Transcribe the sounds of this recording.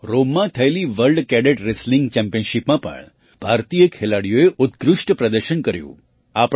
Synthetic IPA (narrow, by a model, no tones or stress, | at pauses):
ɾomːãt̪ʰəeliʋəlɖkɛɖeʈɾesliŋɡt͡ʃɛmpijənʃipmãpə̰ɳ | b̥ʱaɾt̪ijəkʰelaɽijoeʔʊt̪̚kɾʊʃʈpɾəd̪əɾʃənkəɾjṵ̃ | ap